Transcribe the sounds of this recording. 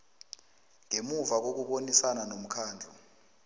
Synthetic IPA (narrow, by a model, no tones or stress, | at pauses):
ŋemuvak̬ok̬uɓonisananom̩kʰaːnd͡ɮʱɔ